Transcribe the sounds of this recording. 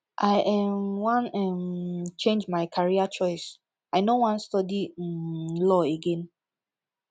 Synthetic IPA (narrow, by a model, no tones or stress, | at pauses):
ʔaɪʔɛmwãnɛmt͡ʃẽnd͡ʒmaɪkʰaɹiat͡ʃɔɪs | aɪnowãnstɔdi | lɔeɡẽn